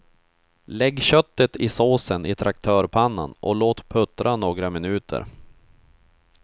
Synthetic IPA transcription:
lɛɡːɕœt̪ːət̪ɪsoːsənɪt̪ʰɾak̚t̪ʰœːɾpʰanːa̰nʔɔ̰loːt̪pʰɵt̪ɾʔanoːɡɾamɪnʉ̟ːt̪ʰə̰ɾ

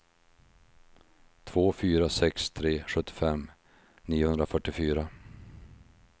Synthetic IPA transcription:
t̪ʰvoːfyːɾasɛkst̪ʰɾeːɧɵt̪ːɪ̥fɛm | niːʊhɵnd̪ɾafœʈːɪfyːɾa

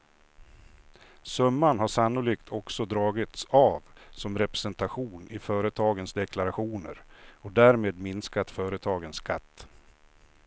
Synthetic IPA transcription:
sœmːanɦaʂanːʊliːkt̪ʰɔksɔd̪ɾɑːɡɪt̪savsɔmɾɛpɾɛsɛnt̪aɧuːnɪfœːɾət̪ʰɑːɡənsd̪ɛkʰlaɾaɧuːnə̰ɾɔd̪æːɾmeːd̪mɪnskat̪fœːɾət̪ʰɑːɡənskʰat̪ː

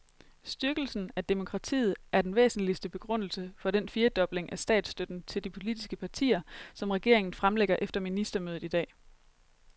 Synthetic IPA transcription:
sd̥yɐɡ̥l̩sn̩æd̥emo̝kʰʁɑ̈t͡sʰḭːð̩ˠæɐd̥enʋḛːsn̩lisd̥əb̥e̝ɡ̥ʁɔ̽n̰l̩səfɒ̽d̥enfiːɐd̥ɒ̽b̥le̝ŋʔæsd̥ɛ̰ːd̥sd̥ød̥n̩t͡sʰe̝ld̥ipʰo̝lid̥isɡ̥əpʰɑ̈t͡sʰḭːɐsɒ̽mʁɛɡ̥e̝̰ɐ̰e̝ŋn̩fʁamleɡ̥ɐʔefd̥ɐminisd̥ɐmøːð̩ˠid̥ɛ̰ː

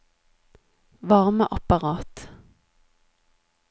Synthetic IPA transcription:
ʋɑʁmə̰ʔɑpɑʁɑːt̪

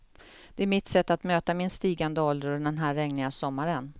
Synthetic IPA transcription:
d̪̥ɛæɾmɪt̪sɛt̪ːat̪møːt̪amɪnst̪iːɡand̪əɔld̪əɾnd̪ɛnɦæːɾːɛŋnɪŋasɔmːaɾən

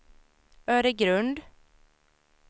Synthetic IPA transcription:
œːɾəɡɾɵnd̪

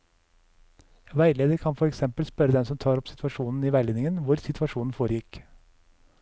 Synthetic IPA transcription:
ʋæɪleːd̪əɾkʰɑnfɔɾɛksɛmpəlspœɾəd̪ɛmsɔmt̪ʰɑːɾɔpsɪ̥t̪ʰʋɑʂuːnn̩iːʋæɪleːnɪŋənʋʊɾsɪt̪ʰʋɑʂuːnn̩foːɾəjɪk

